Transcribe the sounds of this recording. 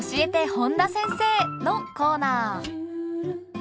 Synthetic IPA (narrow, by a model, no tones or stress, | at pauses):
ɕie̞t̪e̞hõnd̪asẽ̞ɰ̃se̞ːnoko̞ːnaː